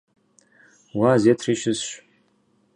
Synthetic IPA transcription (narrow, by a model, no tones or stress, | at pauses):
wazetʰriʃɪzʃʷ